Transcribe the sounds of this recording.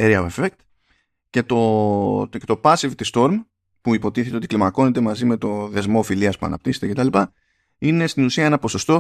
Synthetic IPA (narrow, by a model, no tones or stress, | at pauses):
eɾiɐefek̚t̪ | ce̞t̪o̞ | et̪o̞pɐsivt̪ist̪o̞ɾm | puipo̞t̪iθe̞t̪eoiklimɐko̞ne̞t̪e̞mɐzime̞t̪o̞ðe̞zmo̞filiɐspuɐ̰nɐ̰p̚t̪ise̞t̪ece̞t̪ɐlipɐ | ine̞st̪inusiɐenɐpo̞so̞st̪o̞